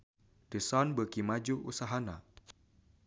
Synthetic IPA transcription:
dəsɔnbəkimad͡ʒuṵsaɦana

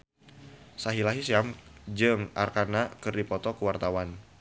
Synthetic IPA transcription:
saɦilaɦisiamd͡ʒɨŋʔa̰rkanakɨrdipɔt̪ɔkəwart̪awan

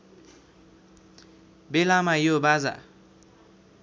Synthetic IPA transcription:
belamajobaza̰

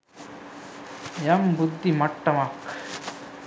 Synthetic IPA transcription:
jambʊd̪ʱːimɐʈːɐmaːk

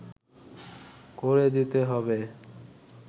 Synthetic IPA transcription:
koɾed̪it̪eɦɔbe

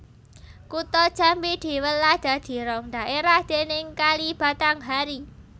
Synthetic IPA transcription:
kut̪ɔd̥ʒ̥a̤mbid̪̥i̤wəlːad̪̥a̤d̪̥i̤ɾɔŋd̪̥a̤ʔeɾahd̪̥enɪŋkalib̥a̤t̪aŋɦaɾi

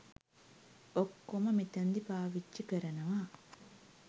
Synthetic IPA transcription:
okːomɐmit̪ɐnd̪ipaːʋit͡ʃːt͡ʃikəɾɐnɐʋaː

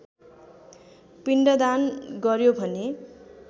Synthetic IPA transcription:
piɳɖʌd̪anɡʌɾjobʱʌne

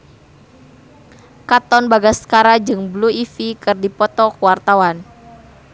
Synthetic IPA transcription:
kat̪ɔnbaɡaskaɾad͡ʒɨŋbluifikɨrdipɔt̪ɔkuwart̪awan

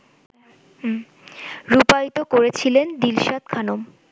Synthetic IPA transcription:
ɾupajt̪okoɾet͡ɕʰilend̪ilʃat̪̚kʰanom

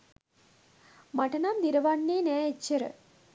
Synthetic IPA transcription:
maʈənamd̪iɾəʋanːeːnæːet͡ʃːəɾə̰

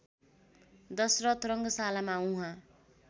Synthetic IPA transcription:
d̪ʌsrʌt̪ʰrʌŋɡʌsalamaũɦã

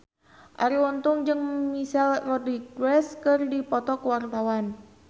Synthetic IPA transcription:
ʔaɾiwɔnt̪ʊŋd͡ʒɨŋmisalrɔdik̚ɾɛskɨrdipɔt̪ɔkəwart̪awan

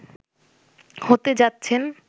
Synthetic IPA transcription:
hot̪ed͡ʑatːɕʰen

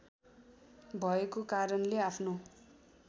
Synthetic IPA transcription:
bʱʌekokaɾʌnleapʰno

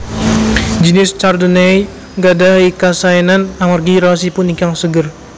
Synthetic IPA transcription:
d͡ʒənɪst͡ʃardənei | ɡadaɦikasaɛnanamarɡiɾasipunikaŋsəɡər

